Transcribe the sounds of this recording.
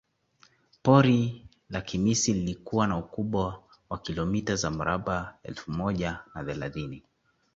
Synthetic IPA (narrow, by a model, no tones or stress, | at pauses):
pɔɾi | lakimisililikuwanaukuɓwa | wakilɔmitazam̩ɾaɓaɛ̰lfumɔʄanaθɛlaθini